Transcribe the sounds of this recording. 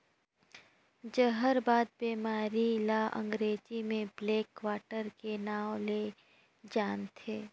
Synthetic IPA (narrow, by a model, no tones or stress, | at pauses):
d͡ʒəɦəɾbaːd̪̚beːmaːɾilaʔə̰̃ŋɡɾeːd͡ʒimẽbleːkʋaːʈəɾkenaːwle | d͡ʒaːnt̪ʰeː